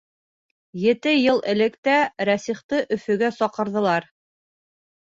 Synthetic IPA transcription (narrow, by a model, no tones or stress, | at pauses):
jɘ̆t̪ɘjɤlˠɘ̆lɘ̆kt̪æɾæsiχt̪ɤʔɵ̆fɵ̆ɡæsɒqɤ̆ɾðɤ̆lˠɑɾ